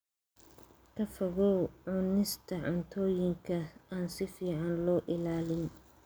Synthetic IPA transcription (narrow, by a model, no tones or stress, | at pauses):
kʰɐfɐɣɔwʕʊnɪst̪ʰɐʕʊnt̪ʰɔːjɪŋkʰɐaːnsɪfiːʕɑnlɔːʔɪlaːlɪn